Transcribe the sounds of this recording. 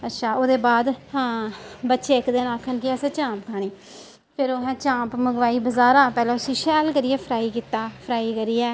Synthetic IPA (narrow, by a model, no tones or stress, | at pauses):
ətːʃʰaːoːd̪eːbaːd̪hãːbətːʃeːɪkd̪enaːkʰənkɪɛːseːt͡ʃãːpkʰaːɳ̃iː | pʰɪɾoːɦɛ̃ːt͡ʃãːpməɡʋaːiːbəzaːɾãːpɛːlɛ̃ːʊsĩːʃɛːlkəɾiːɛːpʰəɾaːiːkiːt̪ːaːpʰəɾaːiːkəɾiːɛː